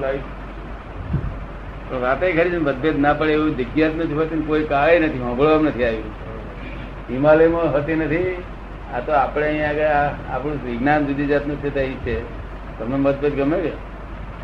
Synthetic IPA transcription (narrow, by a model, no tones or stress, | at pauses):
lai | pəɳʋat̪eikʰəɾit͡ʃʰenbəd̪̚bet̪napəɭeeud̪ɪɡjat̪nũd͡ʒʰuɦət̪inkoikaʋenət̪ʰiɦə̃bʱəɭʋamnət̪ʰiaʋi | ɦimaləjmãɦət̪inət̪ʰi | at̪oapɽeə̃ɦĩjãkeapɽ̃ũsʋɪɡnamd͡ʒud̪id͡ʒat̪nũt͡ʃʰet̪ĩt͡ʃʰe | t̪əmnoməd̪̚bʱet̪̚ɡʱəmeɾe